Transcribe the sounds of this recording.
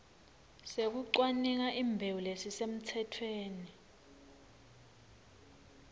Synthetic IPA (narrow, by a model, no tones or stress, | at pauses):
sek̬uǀwaniŋ̬aʔiːmbʱewulesisem̩tʰɛtʰweːni